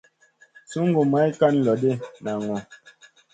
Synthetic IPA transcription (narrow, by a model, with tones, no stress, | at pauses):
su˦ŋ̩˦ɡo˨ma˨˦i˦ka˦˨n˦lɔ˨de˦˨na˨ŋɔ˨